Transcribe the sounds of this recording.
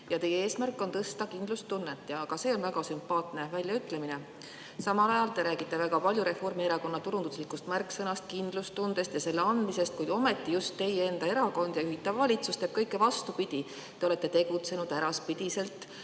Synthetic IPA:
jɑt̪e̞jee̞ːsmærkːˑo̞nt̪ɤst̪ɑkind̪lust̪unːet̪ːˑjɑːɡ̥ɑse̞ːo̞nvæɡ̥ɑsympɑːt̪ˑne̞vælʲjɑyt̪ːˑle̞mine̞ | sɑmɑlɑjɑlt̪e̞ɾæːɡ̥it̪ːˑe̞væɡɑpɑlʲjuɾe̞fo̞rmie̞ɾɑko̞nːɑt̪uɾund̪uslikːust̪mærkːsɤnɑst̪kind̪̥lust̪und̪̥e̞st̪jɑse̞lːeɑnd̪mise̞st̪̚kujd̪̥o̞me̞t̪ːˑijust̪ːe̞jee̞nd̪̥ɑe̞ɾɑko̞nd̪̥jɑyɦit̪ːˑɑvːɑlʲit̪sust̪eb̥̚kɤjkˑːe̞vɑst̪upid̪̥ʲi | t̪e̞o̞le̞t̪ːˑet̪e̞ɡut̪se̞nud̪̥æɾɑspid̪̥ise̞lt̪ːˑ

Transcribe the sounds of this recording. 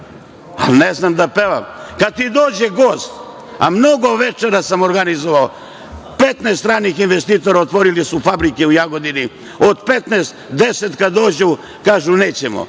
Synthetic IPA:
a̰lneznamd̪apeʋamkad̪̚t̪id̪oːd͡ʑeɡo̞ːst̪ | a̰mnoɡo̞ʋet͡ʃeɾasamo̞ɾɡanizoʋao | pet̪nest̪ɾaːnixinʋest̪iːt̪o̞ɾaot̪ʋo̞ɾilisufabɾikeujaɡo̞d̪ini | od̪pet̪neːst̪d̪eset̪kad̪o̞ːd͡ʑu | kaːʒuneːt͡ɕemo̰

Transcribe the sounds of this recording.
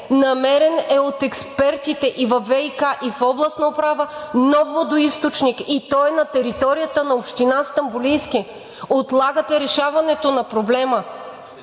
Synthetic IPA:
nɐmɛɾɛnɛot̪ɛkspɛɾt̪it̪ɛʔivɐvːɛikaʔifɔblˠɐsnopɾavənɔvːod̪oist̪ot͡ʃnikit̪ɔɛnɐt̪ɛɾit̪ɔɾijət̪ənɐopʃt̪inast̪ɐmbʊlijski | ot̪lˠaɡət̪ɛɾɛʃavɐnɛt̪onɐpɾoblɛmə

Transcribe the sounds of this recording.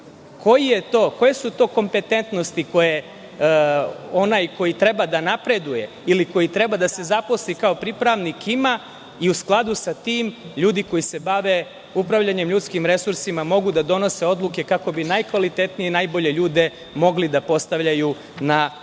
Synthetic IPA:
kʰo̞jije̞t̪o̞ːko̞je̞sut̪o̞ːko̞mpe̞t̪e̞nt̪no̞st̪iko̞je | o̞najko̞jit̪ɾe̞bad̪anapɾe̞d̪uje̞ | iliko̞jit̪ɾe̞bad̪ase̞zapo̞slikao̞pɾipɾaʋnikima | iusklˠad̪usat̪iːmʎuːd̪iko̞jise̞baʋe̞ | upɾaʋʎaɲe̞mʎut̪skimɾe̞suɾsimamo̞ɡud̪ad̪o̞no̞se̞o̞d̪luke̞kako̞binajkʋalit̪et̪nijenajbo̞ʎe̞ʎuːd̪e̞ | mo̞ɡlid̪apo̞st̪aʋʎaju | na

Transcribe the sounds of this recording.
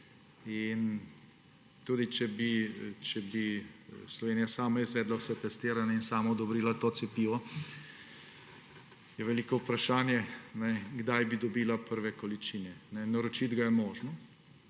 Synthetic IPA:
in | t̪uːd̪it͡ʃɛbit͡ʃɛbislɔʋeːnijasaːmaizʋɛːd̪lausɛt̪ɛst̪eːɾanjainsaːmaɔd̪ɔbɾiːlat̪oːt̪sɛpiːʋɔ | jɛʋɛliːkɔupɾaʃaːnjɛnɛɡd̪ajbid̪ɔbiːlapəɾʋɛkɔlit͡ʃinɛnɛnɐɾɔt͡ʃid̪ɡajɛmɔːʒnɔ

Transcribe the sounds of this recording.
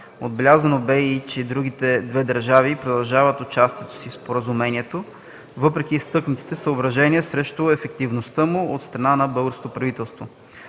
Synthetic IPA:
od̪̚bɛlʲazɐnobɛit͡ʃɛd̪ɾuɡit̪ɛd̪vɛd̪əɾʒavipɾod̪ɐlˠʒavət̪ot͡ʃast̪iɛt̪o̥sifspoɾəzumɛniɛt̪o | vɤpɾɛkʲist̪ɤknət̪i̥t̪ɛsəobɾɐʒɛniəsɾɛʃt̪oɛfɛkt̪ivnost̪əmuot̪st̪ɾɐnanɐbɤlˠɡəɾskot̪opɾɐvit̪ɛlˠst̪vo

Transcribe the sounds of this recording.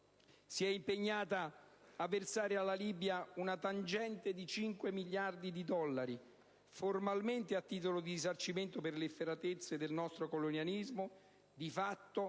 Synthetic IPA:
siɛimpeɲːaːt̪aː | vːersaːɾealːaliːbjaunat̪and͡ʒɛnt̪ed̪it͡ʃiŋkwemiʎjard̪id̪id̪ɔlːaɾi | formalment̪eat̪ːiːt̪̬olod̪iizart͡ʃiment̪operlefeɾat̪et̪sːed̪elnɔst̪ɾokolonjalizmo | d̪ifat̪ːo

